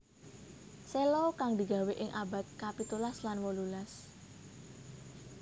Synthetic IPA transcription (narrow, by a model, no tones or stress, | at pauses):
selɔkaŋd̪i̤ɡ̥a̤weʔɪŋʔaba̤t̪̚kapit̪ulaslanwɔlulas